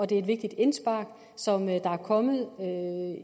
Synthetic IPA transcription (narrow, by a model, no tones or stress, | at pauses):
ɒ̽d̥e̝ɐed̥ʋe̝ɡ̥̚d̥id̥e̝nsb̥ɑ̰̈ːɡ̥ | sɒ̽md̥ɑ̈æɐkʰɒ̽mð̩ˠø